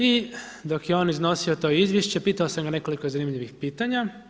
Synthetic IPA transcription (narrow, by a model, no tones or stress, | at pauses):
id̪o̞kjeo̞ːnizno̞sio̞t̪o̞izʋjeʃt͡ɕe̞piːt̪ao̞samɡane̞ko̞liko̞zanimʎiʋixpiːt̪aɲa